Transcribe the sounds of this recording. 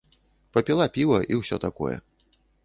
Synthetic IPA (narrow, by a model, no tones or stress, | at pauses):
pɐpʲilˠapʲivɐʔiwsʲɔt̪akɔ̰jɛ̰